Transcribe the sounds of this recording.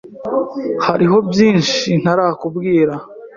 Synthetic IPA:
haɾiɦo̞bjiːnʃin̥aɾaːhakubɡiːɾa

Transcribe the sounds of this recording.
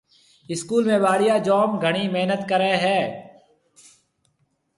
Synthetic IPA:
ɪskuːlmẽːbaːɽɪjaːd͡ʒɔːmɡʱəɽiːmeːnət̪kəɾeːɦɛː

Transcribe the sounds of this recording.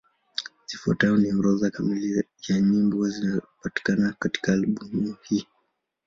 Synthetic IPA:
zifua̰taɔniɔɾɔðakamili | jaɲimbɔazinapati̥kanakati̥kaluɓuŋuhi

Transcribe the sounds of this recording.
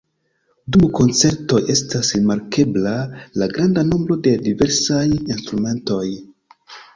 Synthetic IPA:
dumko̞nt͡se̞ɾto̞je̞stasɾimaɾkʰe̞blalaɡɾandanombɾo̞de̞dive̞ɾsajinstɾume̞nto̞j

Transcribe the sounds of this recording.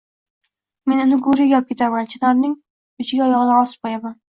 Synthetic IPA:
me̞nʊnɪɡʊɾɪɡʲɒp̚kʲe̞t̪ʰaɾmant͡ʃʰɪnaɾnɪŋ | ʊt͡ʃʰɪɡʲaɒjɒʁɨnaɒspɒjaman

